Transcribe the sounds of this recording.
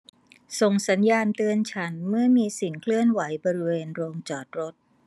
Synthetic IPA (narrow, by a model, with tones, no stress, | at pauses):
so˨˩ŋsa˩˦njaː˧nt̪ɯ˧ənt͡ɕʰa˦˥nmɯ˥˩ɐmiː˧si˨˩ŋkʰlɯ˥˩ənwa˩˦jbɔː˧ɾi˦˥weː˧nɾoː˧ŋt͡ɕɔː˨˩t̪̚ɾo˦˥t̪̚